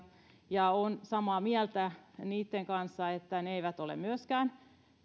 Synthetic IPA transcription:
jɑonsɑmɑːmiælt̪æniːt̪ːeŋkɑnsːɑet̪ːæneeiʋæt̪olḛmmyøskæːn

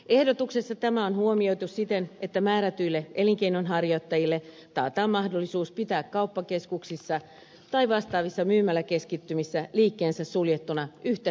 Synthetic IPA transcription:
e̞hdot̪uksesːɑt̪æmæonhuomio̞jt̪ussit̪enet̪ːæmæːɾæt̪yilːeʔeliŋk̟einonɦɑrjot̪ːɑjilːe | t̪ɑ̰ːt̪ɑːmːɑhdolːisuːspit̪æːkkɑupːɑkeskuksisːɑ | t̪ɑiʋɑst̪ɑːʋisːɑmyːmælːæke̞skit̪ːymisːæliːkːeːnsæssuljet̪ːunɑʔyht̪e

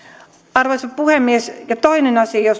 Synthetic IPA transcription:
ɑrʋoisɑppuhemːiesjɑt̪oinenɑsijos

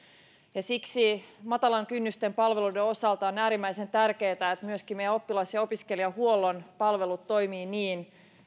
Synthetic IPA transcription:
jɑsiksimɑt̪ɑlɑŋkynːyst̪e̞mpɑlʋe̞ludeo̞sɑlt̪ɑonæːɾimːæise̞nt̪ærke̞ːt̪æet̪myøskimmejæo̞pːilɑsjɑo̞piskeliɑhuolːo̞npɑlʋe̞lut̪to̞jmiːniːn

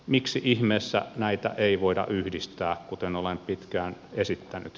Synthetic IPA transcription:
miksiʔihmeːsːæ̰næit̪æ̰ʔeiʋoidɑ̰ʔyhdist̪æːkkut̪enolempit̪kæːnesit̪ːæny̰t̪

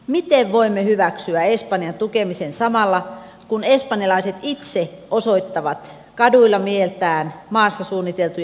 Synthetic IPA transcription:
mit̪eʋʋoimːehyʋæksyæespɑnjɑnt̪ukemisensɑmɑlːɑ | kunespɑnjɑlɑiset̪it̪seoso̞it̪ːɑʋɑt̪ | kɑduilːɑmielt̪æːnmɑːsːɑsuːnːit̪elt̪uj

